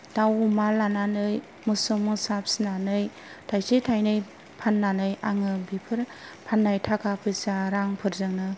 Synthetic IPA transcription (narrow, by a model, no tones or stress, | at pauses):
dawumalananɯj | mɯsumɯsap̚sinanɯj | tʰajsitʰajnɯj | pʰanːanɯjaŋɯbipʰɯɾpʰanːajtʰakʰapʰɯsaɾaŋpʰɯɾzɯŋnɯ